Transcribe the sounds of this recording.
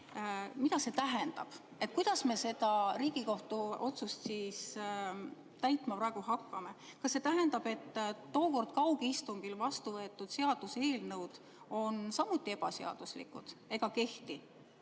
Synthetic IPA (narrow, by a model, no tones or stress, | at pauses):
mid̪ɑse̞t̪æɦend̪̥ɑ̰b̥ | e̞t̪̚ˑkujd̪̥ɑsme̞se̞d̪̥ɑɾiːɡ̥iko̞ht̪uo̞t̪sust̪siːs | t̪æjt̪ˑmɑpɾɑe̞ɡ̥uɦɑkːɑme̞kɑsːe̞t̪æɦend̪̥ɑbe̞t̪ːo̞ːko̞rd̪̥̚kɑwɡ̥iist̪uŋɡ̥ilvɑst̪uvɤ̞et̪ːˑud̪̥se̞ɑd̪̥use̞ːlnɤwd̪̥ | o̞nsɑmːut̪ːˑie̞b̥ɑseɑ̰d̪̥uslḭkːˑud̪̥e̞ɡ̥ɑke̞ht̪i